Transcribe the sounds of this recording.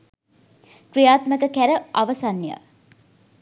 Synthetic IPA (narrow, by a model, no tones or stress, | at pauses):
krijaːt̪məkəkæɾəʔaʋəsanːjə̰